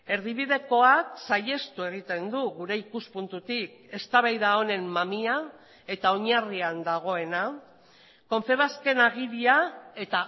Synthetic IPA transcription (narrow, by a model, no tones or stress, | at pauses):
e̞ɾðiβ̞ið̞e̞ko̞aksaje̞st̪ue̞ɣ̞it̪e̞nd̪uɣuɾe̞ikuspunt̪ut̪ike̞st̪aβajðao̞ne̞mmamia | e̞t̪aoɲariand̪aɣ̞o̞e̞na | ko̞ɱfe̞βaske̞naɣ̞iɾiae̞t̪a